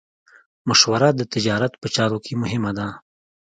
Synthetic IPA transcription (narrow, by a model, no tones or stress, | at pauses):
mʊʃwaɾad̪ət̪ɪd͡ʒɑɾat̪pət͡ʃɑɾokʰemʊɦɪmad̪a